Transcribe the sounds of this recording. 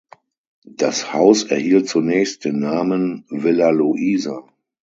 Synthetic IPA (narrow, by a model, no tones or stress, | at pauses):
d̥ashaʊsɛɐhiːlt̚t͡sunɛːçst̚d̥eːnːaːmənvɪlaluʔiːzan